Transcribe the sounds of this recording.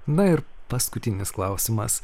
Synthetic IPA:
nɐɪɾpɐskʊt̪ʲɪnʲɪsklˠɑʊsʲɪmɐ̰s

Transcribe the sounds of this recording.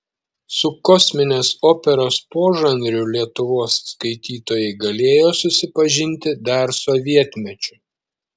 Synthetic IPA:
sʊkɔsʲmʲɪnʲeːsoːpʲɛɾoːspoːʒɐnʲɾʲʊlʲiɛt̪ʊʋoːsskɐɪt̪ʲiːt̪oːjɛɪɡɐlʲeːjoːsʊsʲɪpɐʒʲɪnʲt̪ʲɪd̪ɐɾsɔʋʲiɛt̪ʲmʲɛt͡ʃʲʊ

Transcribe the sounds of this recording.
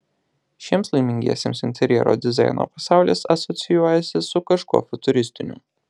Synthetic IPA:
ʃʲiɛmslˠɐɪmʲɪŋʲɡʲḭɛsʲḛːmsɪnʲt̪ʲɛɾʲjɛ̰ɾo̰ːd̪ʲɪzɑ̰ˑɪno̰ːpɐsɑˑʊlʲḛːsɐsɔt̪sʲɪjuɔjɛsʲɪsʊkɐʃkṵːfʊt̪ʊɾʲɪsʲt̪ʲɪnʲʊ̰

